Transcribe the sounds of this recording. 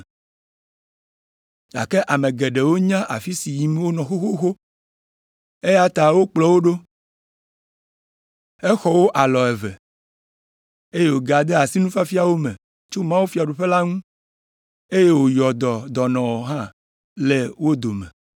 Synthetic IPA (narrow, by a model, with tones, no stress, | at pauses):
d͡ʒa̰˨ke˦ʔa˨mẽ˨ɡɛ˨ɖe˨wo˦ɲã˦ʔa˨fi˦si˨ji˨me˦wo˦nɔ̃˨xo˦xo˦xo˦ | e˦ja˦t̪a˨wo˦k͡plɔ˨wo˦ɖo˦ | ɛ˦xɔ˨wo˦ʔa˨lɔ˨ɛ˨vɛ̰˨ | e˦je˦wo˨ɡa˨d̪ɛ˦a˨si˦nũ˦fa˦fi˦a˨wo˦mɛ̃˨ | t͡ʃo˦mã˦wu˦fi˨˦a˨ɖu˨ɸe˦la˦ŋũ˦ | e˦je˦wo˨jɔ˨d̪ɔ˨d̪ɔ˨nɔ̃˨wɔ˨ɦã˦ | le˨wo˦d̪o˨mɛ̰̃˨